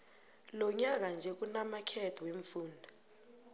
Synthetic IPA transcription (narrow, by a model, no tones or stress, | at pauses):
lɔɲak̬and͡ʒʱɛk̬unamakʰɛtʰɔweɱfuːndʱa